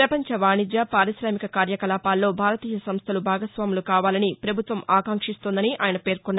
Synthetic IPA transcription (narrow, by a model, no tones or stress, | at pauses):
pɾɐpɐɲt͡ʃɐʋaːɳid͡ʒjɐpaːɾisɾaːmikɐkaːɾjɐkɐlaːpaːlːo̞ːbʱaːɾɐt̪iːjɐsɐmst̪ʰɐlubʱaːɡɐsʋaːmulukaːʋaːlɐnipɾɐbʱut̪ʋɐmaːkaːŋkʂist̪ond̪ɐniʔa̰ːjɐnɐpe̞ːɾkunː